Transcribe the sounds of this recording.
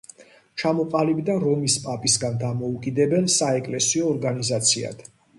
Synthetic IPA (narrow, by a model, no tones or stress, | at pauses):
t͡ʃʰamɔqʼalibd̪aɾɔmispʼapʼisɡand̪amɔukʼid̪ɛbɛlsaɛkʼlɛsiɔːɾɡanizat̪sʰia̰d̪̥